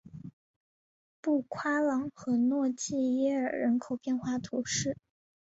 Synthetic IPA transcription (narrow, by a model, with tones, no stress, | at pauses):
pu˥˩kʰwa˥lɑ˧˥ŋxɤ˧˥nwɔ˥˧t͡ɕi˥˧jɛ˥ə˞˨˩ɻə˧˥nkʰo˨˩ʊpjɛ˥˧nxwa˥˩t̪ʰu˧˥ʂɻ̩˥˩